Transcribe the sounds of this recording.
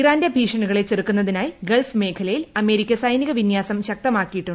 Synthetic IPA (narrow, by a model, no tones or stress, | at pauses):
iraːndebʱiːʂɐɳuɣɐɭet͡ɕerukːunːɐðinaːjiɡelfme̞ːkʰɐlɐjilɐme̞ːɾikʲːɐsɐjniɣɐʋinjaːsɐmɕɐk̚t̪ɐmaːkːijiʈːuɳɖ